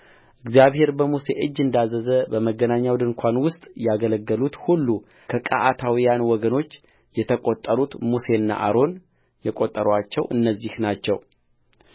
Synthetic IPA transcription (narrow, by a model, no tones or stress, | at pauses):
ʔɨɡzijaβhe̞ɾbəmuse̞̰ʔɨd͡ʒːɨnd̪azːəzəbəməɡənaɲːawd̪ɨŋkʷʰanwʊst̪ʼjaɡələɡːəlut̪hulːu | kʰəkʼa̰ʔat̪ʰawijanwɔɡəno̞t͡ʃː | jɛt̪ʰəkʼot̪ʼːəɾut̪muse̞ɨnːa̰ʔaɾo̞n | jɛkʼot̪ʼːəɾat͡ʃːɛwʔɨ̰nːəzːihnat͡ʃːɛw